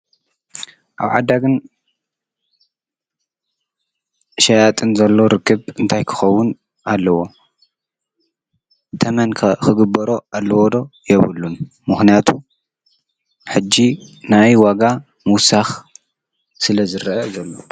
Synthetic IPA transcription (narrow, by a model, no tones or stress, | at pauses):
ʔa̰βʕa̰d̪ːaɡɨn | ʃajat̪ʼɨnzɐlːoɾɨkʰːɨβɨnt̪ʰajkʰɨ̥xɐwʊn | ʔalːɐwo̞ | t̪ʰɐmɐnkʰɨɡɨbːɐɾo̞alːɐwod̪o̞jɛβɨlːun | mɨxnijat̪ʰu | ħɨd͡ʒːinajwaɡa | muwsax | sɨlɐzɨɾʔɐzɐlːo